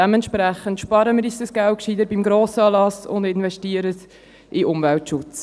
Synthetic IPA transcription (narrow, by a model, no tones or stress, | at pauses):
ɛmɛntʃpɾæχəntʃpɑɾəməɾisəsɡ̥ælkʃid̪əɾbimɡɾoːsəɑːlɑsʊ̰nd̪ɪnvɛʃtiəɾəs | ʔiʔʊmvæltʃʊt͡s